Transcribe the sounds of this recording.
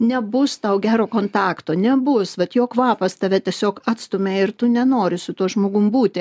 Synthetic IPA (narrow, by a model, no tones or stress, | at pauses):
nʲɛbʊst̪ɐʊɡʲæːɾoːkoːnt̪ɑːkt̪oːnʲɛbʊsʋɐt̪joːkʋɑːpɐst̪ɐʋʲɛt̪ʲiɛsʲoːkɑːt̪st̪omʲeːɪrt̪ʊnʲɛnoːɾʲɪsʊt̪uɔʒmoːɡʊmbuːt̪ʲɪ